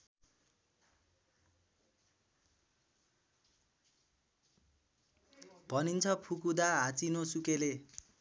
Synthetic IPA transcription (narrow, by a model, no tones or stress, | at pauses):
bʱʌnint͡sʰʌpʰukud̪aɦat͡sinosukele